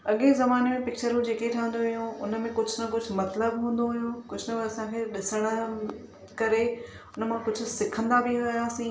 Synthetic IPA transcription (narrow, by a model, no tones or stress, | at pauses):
ɐɠezɐmaːnemẽpɪk̚t͡ɕəɾũd͡ʑeːkeʈʰaʋə̃nd̪oɦʊjũʊnə̆mẽkʊd͡ʑʱʊnɐkʊd͡ʑʱʊ̆mɐt̪ləbɦũːn̆d̪oɦʊjũkʊd͡ʑʱʊnɐbɐsãkʰeɗɪsəɽ̃ə̆ | kɐɾe | ʊnəmãkʊd͡ʑʱʊ̆sɪkʰə̃nd̪abiɦɐijaːsĩː